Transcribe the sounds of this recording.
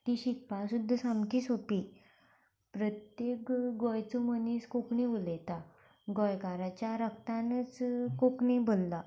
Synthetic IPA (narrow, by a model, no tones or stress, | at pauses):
t̪iɕikpasud̪ʱːsamkiːsopi | pɾət̪jekɡɔjt͡suməniskokɳiʋulet̪a | ɡɔjkaɾat͡ɕjaɾək̚t̪ãnt͡skokɳibolːa